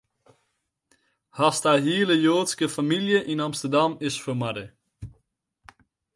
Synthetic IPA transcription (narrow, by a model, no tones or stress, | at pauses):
hastaɦiələjoːtskəfamiljəʔinamstərdamɪsfəmadə